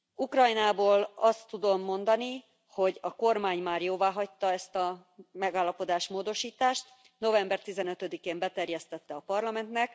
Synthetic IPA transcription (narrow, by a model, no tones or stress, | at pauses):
ukrɒjnaːboːlɒst̪ːud̪o̞mːo̞nd̪ɒni | ho̞ɟɒko̞rmaːɲmaːrjoːvaːɦɒc̚t̪ɒɛst̪ɒ | mɛɡaːlːɒpo̞d̪aːʃmoːd̪o̞ʃiːt̪aːʃt̪ | no̞vɛmbɛrt̪izɛnøt̪ød̪ikeːmbɛt̪ɛrjɛst̪ɛt̪ːɛɒpɒrlɒmɛnt̪nɛk